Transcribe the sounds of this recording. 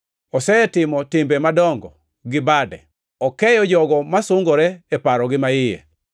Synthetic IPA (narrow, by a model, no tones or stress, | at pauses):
ɔsɛtɪmɔtɪmbemadɔŋɡɔ̰ | ɡɪbadɛ̰ | ɔkɛjɔd͡ʒɔɡɔmasʊŋɡɔɾɛːpaɾɔɡɪmaɪjɛ̰